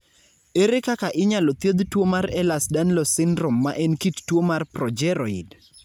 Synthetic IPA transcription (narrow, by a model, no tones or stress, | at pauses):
eɾekakaʔɪɲalot̪jed̪twomaɾɛlasdanlɔsɪndɾomːaʔɛnkittwomarprɔd͡ʒɛɾɔḭd